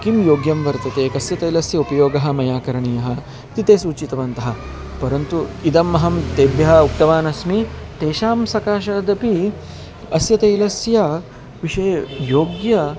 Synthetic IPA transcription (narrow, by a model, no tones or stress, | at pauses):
kimjoːɡjɐmʋɐɾt̪ɐt̪eːkɐsjɐt̪eːlɐsjɐupɐjoːɡɐɦɐ̆mɐjaːkɐɾɐɳijɐɦɐ̆ | t̪it̪eːsuːt͡ʃit̪ɐʋɐnt̪ɐɦɐ̆ | pɐɾɐnt̪uid̪ɐmːɐɦɐmt̪eːbjɐɦɐ̆uk̚t̪ɐʋaːnɐsmi | t̪eːʃaːmsɐkaːʃɐɐd̪ɐpi | ɐsjɐt̪eːlɐsjɐ | ʋiʃɐːɐjoːɡjɐ